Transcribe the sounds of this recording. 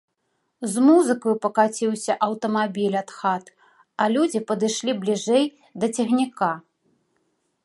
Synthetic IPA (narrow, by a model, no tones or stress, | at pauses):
zmuzɨkɐjupɐkat͡sʲiwsʲɐʔɐwt̪ɐmabʲilʲat̪xat̪ | ɐlʲud͡zʲipɐd̪ɨʂlʲiblʲiʐɛj | d̪ɐt͡sʲɛɣnʲika